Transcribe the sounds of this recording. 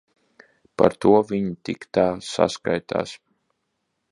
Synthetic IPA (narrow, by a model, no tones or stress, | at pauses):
pa̰ɾt̪uɔviɲit̪ikt̪aːsa̰skajt̪a̰ːs